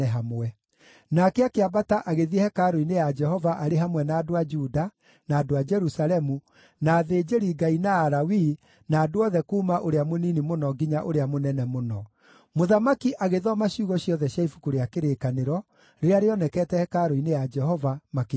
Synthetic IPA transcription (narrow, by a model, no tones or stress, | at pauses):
ɛɦamwɛ | nakeakeabataʔaɣeðiɛhɛkaɾoinejad͡ʒɛhɔvaʔaɾeɦamwɛnaːdoad͡ʒuda | naːdoad͡ʒɛɾusalɛmu | naːðeːd͡ʒeɾiɡainaːɾawi | naːdoɔðɛkuːmaʔoɾeamoninimonɔɡiɲaʔoɾeamonɛnɛmonɔ | moðamakiʔaɣeðɔmaɕjuɣɔɕjɔðɛɕjaifukoɾeakeɾekaneɾɔ | ɾeɾeaɾeɔnɛkɛːtɛhɛkaɾoinejad͡ʒɛhɔvamake